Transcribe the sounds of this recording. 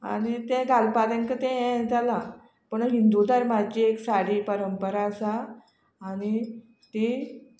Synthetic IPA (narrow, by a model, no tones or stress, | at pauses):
a̰ɽit̪ɛ̃ɡalpaɾə̃ŋkət̪ɛ̃ɦɛ̃d͡zala | pəɳɦind̪ud̪aɾmat͡ɕieksaɽiːpəɾəmpəɾaəsaː | ɽ̃i | t̪i